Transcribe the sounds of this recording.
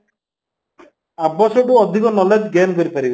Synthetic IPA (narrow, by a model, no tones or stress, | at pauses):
abɔsɔʈuɔd̪ʱikɔnɔled͡ʒɡenkɔɾipaɾib